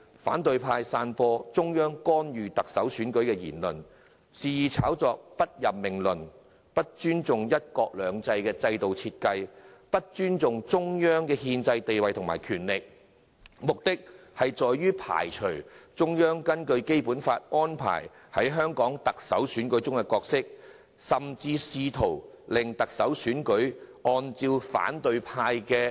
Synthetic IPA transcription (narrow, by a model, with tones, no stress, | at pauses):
fa̰ː˨˥nt̪ɵ˨ɥpʰaː˧jsaː˧npɔː˧t͡sʊ˥ŋjœː˥ŋkɔː˥nɥyː˨t̪ɐ˨k̚sɐ˨˥wsyː˨˥nkɵ˨˥ɥkɛː˧jḭː˨˩nlɵ̰˨n | siː˨jiː˨t͡sʰa̰ː˨˥wt͡sɔː˧k̚pɐ˥t̚jɐ˨p̚mɪ˨˩ŋlɵ˨n | pɐ˥t̚t͡ʃyː˥nt͡sʊ˨ŋjɐ˥t̚kɔː˧k̚lœː˨˧ŋt͡sɐ˧jkɛː˧t͡sɐ˧jt̪o˨wt͡sʰiː˧t̚kɐ˧jpɐ˥t̚t͡ʃyː˥nt͡sʊ˨ŋt͡sʊ˥ŋjœː˥ŋkɛː˧ɦiː˧nt͡sɐ˧jt̪e˨jwɐ˨jt̪ʰʊ˨˩maː˨˩jkʰyː˨˩nlɪ˨k̚ | mʊ˨k̚t̪ɪ˥k̚hɐ˨jt͡sɔː˨jːyː˥pʰa̰ː˨˩jt͡ʃʰɵ˨˩t͡sʊ˥ŋjœː˥ŋkɐ˥nkɵ˧ɥke˥jpuː˨˥nfaː˧t̚ʔɔː˥npʰa̰ː˨˩j | hɐ˨˥jɦœː˥ŋkɔː˨˥ŋt̪ɐ˨k̚sɐ˨˥wsyː˨˥nkɵ˨˥ɥt͡sʊ˥ŋkɛ˧kɔː˧k̚sɪ˥k̚ | sɐ˨mt͡siː˧siː˧t̪ʰo˨˩w | lɪ˨˩ŋt̪ɐ˨k̚sɐ˨˥wsyː˨˥nkɵ˨˥ɥɔː˧nt͡siː˧wfa̰ː˨˥nt̪ɵ˧ɥpʰaː˥jkɛː˧